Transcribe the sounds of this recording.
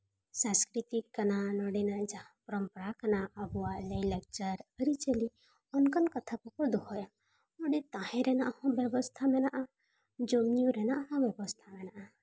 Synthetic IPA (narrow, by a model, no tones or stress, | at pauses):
sãskɾit̪ikːənanɔɽinad͡ʒãpɾəmpəɾakənaəbuwaləjlɛk̚t͡ʃəɾəɾit͡ʃəli | ɔnkənkət̪ʰapɔkɔɾd̪uɦɔja | ɔɽit̪ãɦɛ̃ɾɛnaʔhɔ̃bɛbɔst̪ʰamɛnaʔa | d͡ʒomijuɾɛnaʔɦɔ̃bjɛbɔst̪ʰamɛnaʔa